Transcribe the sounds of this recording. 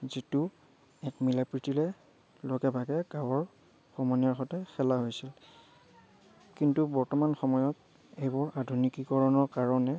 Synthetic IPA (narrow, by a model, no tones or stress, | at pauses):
zitʊ | ɛkmilapɹitilɛ | loɡɛbʱaɡɛɡawɔɹ | xɔmɔnijaɹxɔtɛxɛlaɦojsil | kintubɔɹtɔmanxɔmɔjɔt | ejbɔɹadʱunikikɔɹɔnɔɹkaɹɔnɛ